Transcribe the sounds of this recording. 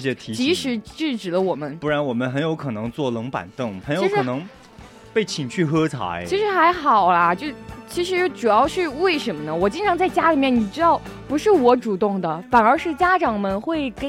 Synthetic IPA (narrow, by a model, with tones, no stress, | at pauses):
ɕjɛ˥t̪ʰi˧˥t͡ɕi˧˥ʂɻ̩˧˥ʈ͡ʂɻ̩˥˩ʈ͡ʂɻ̩˨˩lə˦wɔ˨˩mə˦npu˥˩ɻa˧˥nwɔ˨˩mə˦nxə˧˥njo˧˥ʊkʰɤ˨˩nɤ˧˥ŋt͡swɔ˥˩lɤ˧˥ŋpa̰˨˩nt̪ɤ˥˩ŋxə˧˥njo˧˥˧ʂkɻʰnɤ˧˥ŋ | pe˥˩ɪt͡ɕʰi˨˩nt͡ɕʰy˥˩xɤ˥t͡sʰa̰˧˥ɪt͡ɕʰi˧˥ʂɻ̩˧˥xa˧˥ɪxɑ˨˩ʊlɐ˦t͡ɕjo˥˩ʊt͡ɕʰi˧˥ʂ̬ɻ̩˧˥˩ʈ͡ʂu˨˩jɑ˥˧ʊt͡ɕ̩ʰ˥˧we˥˩ɪʂə˧˥nmə˧nə˩wɔ˨˩t͡ɕi˥ŋʈ͡ʂʰɑ˧˥ŋt͡sa˥˩ɪt͡ɕja˥li˨˩mjni˨˩ʈ͡ʂɻ̩˥t̪ɑ˥˩ʊ | pu˧˥ʂɻ̩˥˩wɔ˧˥ʈ͡ʂu˨˩t̪ʊ˥˩ŋd̪ə˩fa˨˩nə˞˧˥ʂɻ̩˥˩t͡ɕja˥ʈ͡ʂɑ˨˩ŋmə˧nxwe˥˩ɪkə˥